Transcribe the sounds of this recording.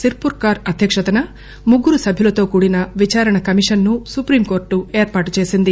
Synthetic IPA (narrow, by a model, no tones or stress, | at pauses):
siɾpuɾkaːɾɐd̪ʱjɐkʂɐt̪ɐnɐ | muɡːuɾusɐbʱjulɐt̪o̞ːkuːɽinɐʋit͡ʃaːɾɐɳɐkɐmiʂɐnːusupɾiːmko̞ːɾʈːue̞ːɾpaːʈut͡ʃe̞ːsind̪i